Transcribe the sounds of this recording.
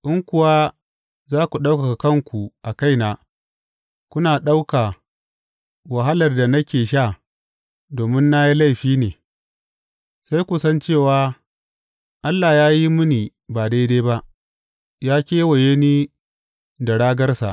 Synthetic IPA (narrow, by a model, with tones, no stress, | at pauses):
ʔɪ˦ŋkʷʊ˨wa˦ | zaː˦kʷu˨ɗa˦wka˨ka˨kɐ˦˨ŋkʷu˨ʔa˨ka˦jnaː˨ | kʷʊ˦naː˨ɗa˦wka˨ | wa˨ɦa˦lɐ˨rda˨nɐ˦kʲeː˨ʃ̬a˦˨ | doː˨mɪ˦nːa˦ji˦la˦˨jɸiː˦neː˨ | sa˦jkʷu˨sɐ˦nt͡ʃeː˦˨waː˨ | ʔa˦lːa˨jaː˦ji˦mʊ˦niː˨ | ba˨da˦jdeː˦jba˦ʔ | jaː˦kʲeː˦wɐ˨je˦niː˦ | da˨ɽaː˦ɡɐ˦rsa̰˨ʔ